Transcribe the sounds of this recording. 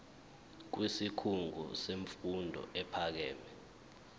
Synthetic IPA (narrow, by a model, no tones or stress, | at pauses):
k̬wisikʰuŋʱṵseɱfundʱɔ̰ɛpʰak̬ɛːmɛ